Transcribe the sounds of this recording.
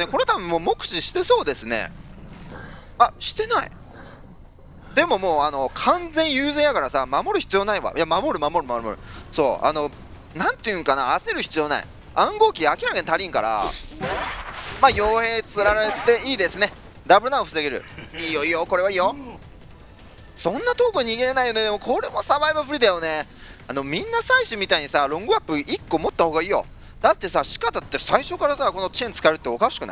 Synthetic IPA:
neko̞net̪abɯ̟̃mːoːmo̞kɯ̟̥ɕiɕi̥t̪e̞soːd̪e̞sɨne̞̰ | aɕi̥t̪e̞naḭ | d̪e̞mo̞mo̞ːano̞kʰãnd͡zẽ̞ɲ̃jɯːzẽɰ̃jakaɾasamamo̞ɾɯ̟çi̥t͡sɨjo̞ːnaiβa̰jamamo̞ɾɯ̟mamo̞ɾɯmamoɾɯmoɾɯ̟so̞̰ːa̰no̞ | nãnt̪ejɯ̟̃ŋkanaase̞ɾɯ̟çi̥t͡sɨjoːna̰ḭ | ãŋɡo̞ːkʲiakʲiɾakeɲit̪aɾʲĩŋka̰ɾa̰ | maːjo̞ːhe̞ːt͡sɨɾaɾaet̪e̞iːd̪e̞sɨne̞ | d̪abɯɾ̟nãoɸɯ̟seɡe̞ɾɯ̟̰iːjo̞ijoko̞ɾe̞βaiːjo̞ | sõ̞nːat̪o̞ːkoɲ̟iɡe̞ɾe̞naijo̞ne̞d̪e̞mo̞kʰo̞ɾe̞mo̞saβaiβaɸɯ̟ɾʲid̪ajo̞ne̞ano̞mʲĩnːasaiɕimʲit̪aiɲ̟isaɾõ̞ŋɡɯapːɯ̟ʔikːo̞mo̞t̪ːaho̞ːɡaiːjo̞̰ | d̪̥at̪ːe̞saɕi̥kat̪at̪ːe̞saiɕo̞kaɾasako̞no̞t͡ɕiẽnt͡sɨ̥kaeɾɯ̟t̪ːeo̞kaɕi̥kɯ̟na̰i

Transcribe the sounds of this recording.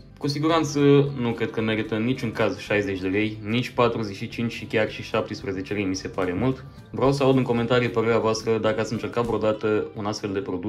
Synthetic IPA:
kusiɡuɾant̪sənukɾe̞d̪̚kəme̞ɾit̪əɨnit͡ʃuŋkazʃajze̞t͡ʃʲd̪e̞le̞jnit͡ʃʲpat̪ɾuze̞ʃit͡ʃint͡ʃʲʃikʲarʃiʃap̚t̪espɾeze̞t͡ʃelejmise̞paɾe̞mult̪ | vɾeaws̬əaud̪ɨŋko̞ment̪aɾijepəɾe̞ɾeavoast̪ɾəd̪akəat̪sɨnt͡ʃe̞rkat̪vod̪at̪əunast̪fe̞ld̪e̞pɾo̞d̪u

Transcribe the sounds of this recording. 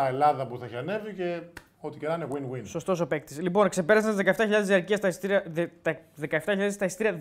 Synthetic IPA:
ɐelɐðɐpuθɐçɐne̞vice | o̞t̪icenɐineɣwinɣwinso̞st̪o̞sope̞k̚t̪i̥slipo̞nkse̞pe̞ɾɐsɐnt̪izðekɐeft̪ɐçiʎɐðejɐɾciɐst̪ɐist̪iɾiɐt̪ðekɐeft̪ɐçiʎaðest̪ɐist̪iɾiɐ

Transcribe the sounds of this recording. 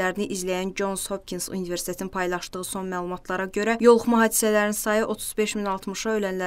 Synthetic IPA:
æɾiniʔizlæjænd͡ʒo̞nzho̞p̚kʰinsṵnive̞ɾst̪ʰet̪ʰnpʰɑjlˠɑʃd̪ɯɣɯso̞nmæːlˠumɑt̪ʰlˠɑɾɑɟø̞ɾæjo̞lˠuχmɑɦɑːd̪isælæɾinsɑjɯʔo̞t̪ʰuzbe̞ʃminɑlˠt̪ʰmɯʃɑølænlæ

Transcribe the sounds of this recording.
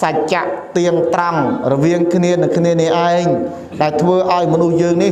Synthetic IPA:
sac̚t͡ɕaʔt̪iəŋt̪raŋrɔʋiəŋkʰniənɨŋkʰniənɛəʔaɛŋ | ɗaɛlt̪ʰʋəːʔaɔjmɔnuhjəːŋni

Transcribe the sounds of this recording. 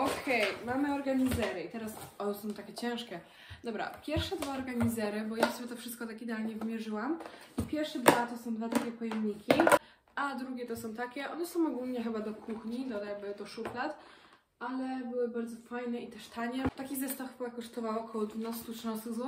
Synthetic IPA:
ɔkʰɛjmamɘɔɾɡaɲizɛɾɘit̪ɛɾasɔnɛsɔ̃w̃t̪akʲɛt͡ɕɛ̃w̃ʂkʲɛ | d̪ɔbɾa̰pʲjɛɾfʂɛd̪vaɔɾɡaɲizɛɾɘbɔjasɔbʲjɛt̪ɔfʂɘst̪̚kɔt̪akid̪ɛalɲɛvmʲjɛʐɘwam | ipʲjɛɾfʂɛd̪vat̪ɔsɔ̃w̃d̪vat̪akʲɛpɔjɛmɲikʲi | ad̪ɾuɡʲɛt̪ɔsɔ̃w̃t̪akʲɛʔɔnɛsɔ̃w̃ɔɡulɲɛxɘbad̪ɔkʰuxɲid̪ɔjaɡbɘd̪ɔʂuklat̪ | alɛbɘwɘbaɾdzɔfajnɛit̪ɛʂt̪aɲɛt̪akʲizɛst̪afwakɔʂt̪ɔvawɔkʰɔwɔd̪vunast̪utʂnãst̪ɨɣzwɔ

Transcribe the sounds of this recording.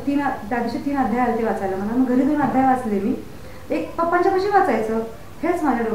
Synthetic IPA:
t̪iːnd̪ad̪iɕit̪iːnad̪ʱjajalet̪eʋat͡sajləm̤əŋaməɡʱəɾiːd̪ʱəɾunad̪ʱjajʋat͡slemiː | ekpəpəɲt͡ɕapəɕiʋat͡sajt͡səː | het͡smad͡ʑaɽə

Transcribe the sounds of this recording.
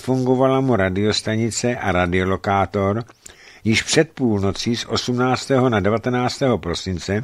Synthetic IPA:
fuŋɡo̞valamuɾadɪo̞st̪aɲɪt͡sɛʔaɾadɪo̞lo̞kaːt̪o̞ɾ | jɪʃpr̥ɛt̪̚puːlno̞t͡siːsʔo̞sumnaːt͡st̪ɛːɦo̞nadɛvat̪ɛnaːt͡st̪ɛːɦo̞pɾo̞sɪnt͡sɛ

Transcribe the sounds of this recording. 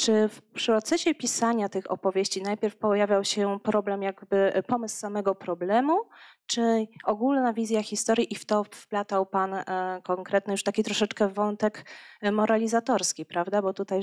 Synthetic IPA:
t͡ʂɘfpʂɾɔt̪sɛɕɛpʲisaɲat̪ɘxɔ̰pɔvʲjeɕt͡ɕinajpʲjɛɾfpɔjavʲjawɕɛpɾɔblɛmjaɡbɘpɔmɘssamɛɡɔpɾɔblɛmut͡ʂɘɔɡulnavʲizʲjaxʲist̪ɔɾʲjiʔift̪ɔfplat̪awpankɔŋkɾɛt̪nɘjuʂt̪akʲit̪ɾɔʂɛt͡ʂkɛvɔnt̪ɛkmɔɾalʲizat̪ɔɾskʲipɾavd̪abɔt̪ut̪aj

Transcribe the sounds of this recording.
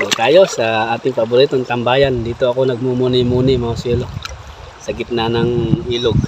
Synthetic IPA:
k̪aːjo̞sɐʔaːt̪ɪŋpɐbʊɾit̪oŋt̪ɐmbaːjand̪iːt̪oɐko̞nɐɡ̚mumunɪmuːnɪmaaswɛlo | sɐɡɪt̪nanɐŋʔiːloɡ̚

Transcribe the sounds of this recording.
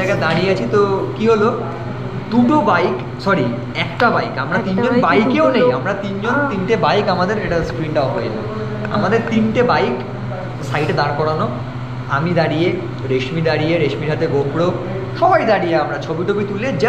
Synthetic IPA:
jɡad̪aɽijeat͡ɕʰit̪okiɦolo | d̪uʈobajk | sɔɾi | ɛkʈabajkamɾat̪ind͡ʑonbajkeonejamɾat̪ind͡ʑont̪inʈebajkamad̪eɾeʈaskɾinʈaɔpojelo̰ | a̰mad̪eɾt̪inʈebajk | sajʈd̪aɾkɔɽano | a̰mid̪aɽije | ɾeʃmid̪aɽijeɾeʃmiɾɦat̪eɡobɽo | ʃɔbajd̪aɽijeamɾat͡ɕʰobiʈʰobit̪uled͡ʑ

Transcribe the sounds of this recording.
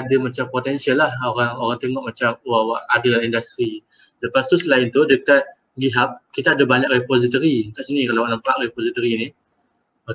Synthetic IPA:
adamat͡ʃampot̪ɛnsialːahoɾaŋoɾaŋt̪eŋɔʔmat͡ʃamwawaʔadaaindast̪ɾi | ləpast̪usəlaɪnt̪udəkat̪̚ | ɡiɦap̚kit̪aːdabaɲak̚repozit̪oɾikaʔsənikalawaʔnəmpaʔɾepozit̪oɾini | ma

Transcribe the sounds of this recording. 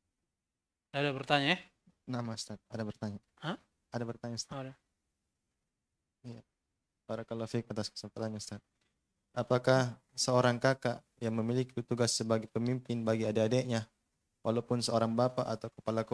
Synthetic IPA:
adabərt̪aɲaɛ | namast̪at̪̚adabərt̪aɲa | hã | adabərt̪aɲast̪ada | ja | b̥aɾakalafik̚at̪askə̥səŋpat̪aɲast̪at̪̚ | apakah | səoɾaŋkaka | jaŋməmilikiut̪uɡasːəbaɡɛpəmimpɪnbaɡiadeadeʔɲa | wʔalawpʊnsəoɾaŋbapaʔat̪awkə̥palak

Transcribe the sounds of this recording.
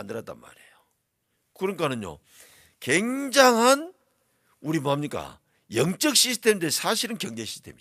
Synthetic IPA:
andɯɾat͈̚a̰nma̰ɾiejo | kɯɾɯnkanɯnjo̰ | ke̞ŋd͡ʑaŋɦan | uɾimoamɲik͈a̰ | jʌŋt͡ɕ͈ʌk̚ɕ͈is̬ʰtʰe̞mdesʰaɕʰiɾɯnkjʌŋd͡ʑe̞ɕʰi̥stʰemi

